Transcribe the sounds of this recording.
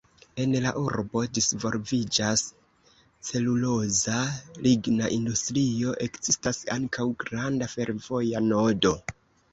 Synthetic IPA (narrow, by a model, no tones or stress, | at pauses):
e̞nlaʔuɾbo̞disvo̞lvid͡ʒas | t͡se̞lulo̞zalʔiɡnaʔindustɾio̞ʔe̞kz̥istasaŋkʰawɡɾandafe̞ɾvo̞jano̞do̞